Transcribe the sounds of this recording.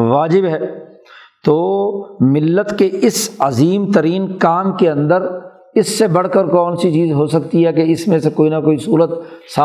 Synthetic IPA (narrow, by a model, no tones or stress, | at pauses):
ʋaːd͡ʒɪbɦɛː | t̪oːmɪlːət̪keɪsɐziːmt̪ɐɾiːnkaːmkeɐ̃nd̪əɾ | ɪsːebɐɽ̤kəɾkɔːnsit͡ʃiːzɦoːsɐkt̪iɦɛkeɪsmẽsekoːinakoːisuːɾət̪sa